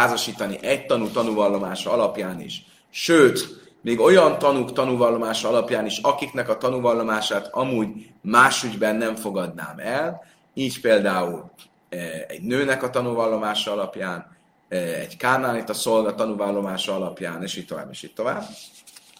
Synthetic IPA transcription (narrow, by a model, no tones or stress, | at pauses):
aːzoʃiːt̪ɒniʔɛc̚t̪ɒnut̪ɒnuvɒlːo̞maːʃɒɒlɒpjaːnḭʃ | ʃøːt̪ | miːɡo̞jɒnt̪ɒnukt̪ɒnuvɒlːo̞maːʃɒɒlɒpjaːniʃɒkiknɛkɒt̪ɒnuvɒlːo̞maːʃaːt̪ɒmuːɟ | maːʃyɟbɛnːɛɱfo̞ɡɒd̪na̰ːmɛl | iːcpeːld̪aːul | ɛ̰ɟnøːnɛkɒt̪ɒnuvɒlːo̞maːʃɒɒlɒpjaːn | ɛ̰ɟkaːnaːlit̪ɒso̞lɡɒt̪ɒnuvɒlːo̞maːʃɒɒlɒpjaːneːʃiːt̚t̪o̞va̰ːbḛːʃiːtt̪o̞va̰ːb